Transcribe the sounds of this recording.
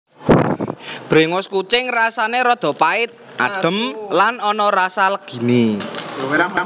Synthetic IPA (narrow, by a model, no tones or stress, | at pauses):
b̥ɾeŋʊskut͡ʃɪŋrasaneɾɔd̪̥ɔ̤paɪt̪̚ | ʔa̰ɖ̥ə̤mlanɔnɔɾasalɡ̥i̤ni